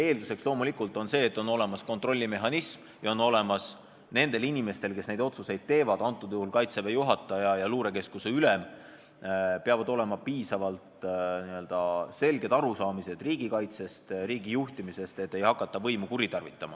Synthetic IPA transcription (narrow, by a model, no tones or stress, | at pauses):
e̞ːld̪use̞kslo̞ːmulikːˑult̪ːˑo̞nse̞ːt̪ːˑo̞nːo̞le̞mɑsko̞nt̪ro̞lʲːime̞ɦɑnism | jɑo̞no̞le̞mɑs | ne̞nd̪e̞linime̞st̪e̞lke̞sne̞jd̪o̞t̪suse̞jd̪̥̚t̪e̞ːvɑd̪ɑnt̪ːˑud̪̥euhulkɑjt̪sevejuɦɑt̪ːˑɑjɑjɑluːɾe̞ke̞skuse̞ylem | peɑvɑd̪o̞le̞mɑpiːsɑvɑlt̪niø̞ld̪̥ɑse̞lɡe̞d̪̥ɑɾusɑːmise̞d̪̥riːɡ̥ikɑjt̪se̞st̪riːɡijuht̪imise̞st̪e̞t̪ːˑe̞jhɑkːˑɑt̪ːˑɑvɤ̞jmukuɾit̪ɑrvit̪ːˑɑmɑ